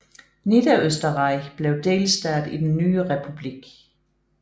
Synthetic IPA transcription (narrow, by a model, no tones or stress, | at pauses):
nid̥ɐøsd̥ɐʁɑ̈ɪ̰b̥le̝ʊd̥e̝̰ːlsd̥æɐ̰d̥id̥enːyːəʁɛpʰub̥liɡ̥